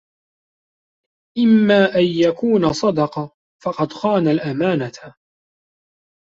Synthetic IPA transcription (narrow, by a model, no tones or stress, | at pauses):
ʔɪmːaːʔanjakuːnasˤɑd̪ɑqɑ | fɑqɑd̪xaːnalʔamaːnat̪